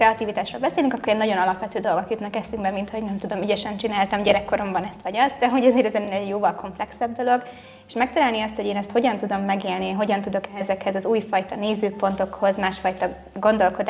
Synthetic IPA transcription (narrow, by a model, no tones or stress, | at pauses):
kɾɛɒt̪iːvit̪aːʃrolbɛseːlyŋkɒkːoeːnːɒɟo̞nɒlɒpʋɛt̪øːd̪o̞lɡo̞kjut̪nɒkɛsyŋɡbɛmint̪ho̞ɟnɛmt̪ud̪o̞myɟɛʃɛnt͡ʃinaːlt̪ɒmɟɛɾɛkːo̞ɾo̞mbɒnɛst̪ʋɒɟɒzd̪ɛɦo̞ɟɒzeːɾɛzɛnːnɛɟjoːvɒlkʰo̞mplɛksɛb̚d̪o̞lo̞ɡ | eʃmɛk̚t̪ɛlaːlniɒst̪ho̞ɟeːnɛst̪ho̞ɟɒnt̪ud̪o̞mːɛɡeːlniɦo̞ɟɒnt̪ud̪o̞kɛɛzɛkhɛzɒzuːjfɒjt̪ɒneːzøːpo̞nt̪o̞kho̞zmaːʃfɒjt̪ɒ | ɡo̞nd̪o̞lko̞d̪